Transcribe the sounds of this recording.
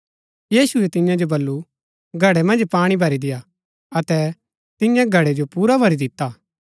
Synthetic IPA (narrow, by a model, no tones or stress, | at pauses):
jiːsuɛt̪ɪ̃jãd͡ʒobɐlːu | ɡʱɐɽɛmɐ̃nd͡ʒpaːɽ̃ibʱɐɾid̪ɪja | ɐt̪ɛ | t̪ɪ̃jãɡʱɐɽed͡ʒopuːɾabʱɐɾid̪ɪt̪ːaː